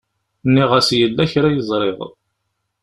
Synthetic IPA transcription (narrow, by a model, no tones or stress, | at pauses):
nːiʁæsjəlːæçɾæjəzˤɾˤeʁ